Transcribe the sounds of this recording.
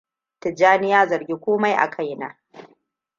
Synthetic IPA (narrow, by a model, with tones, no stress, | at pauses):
tɪ˨d͡ʒaː˦nɪ˦jaː˦zɐ˨rɡʲi˦kʷoː˦ma˦jʔa̰˨kʰa˦jna̰ː˦